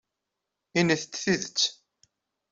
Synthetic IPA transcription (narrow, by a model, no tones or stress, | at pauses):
inəθət͡sːθiðət͡sː